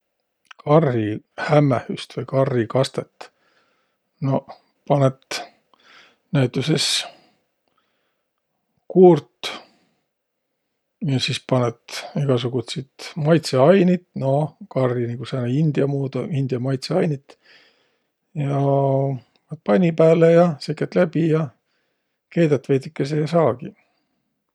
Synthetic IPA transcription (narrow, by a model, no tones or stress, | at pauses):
kʰɑrːi | hæmːehyst̪vɤjkɑrːikɑst̪et̪ː | no̞ | pɑnet̪ | næɥt̪ːˑuses | kuːrt̪ | jɑsispɑnet̪iɡ̥ɑsuɡ̥ut̪sit̪mɑjt̪seɑjnit̪no̞kɑrːiniɡ̥usɑnɑind̪̥iɑmuːd̪̥oind̪̥ijɑmɑjt̪seɑjnit̪ | jɑ | vɑt̪̚pɑnʲipæːlejɑsekːˑet̪læbijɑ | ke̞ːd̪ɑt̪ːve̞jd̪ikːes̬ejɑsɑːɡ̥i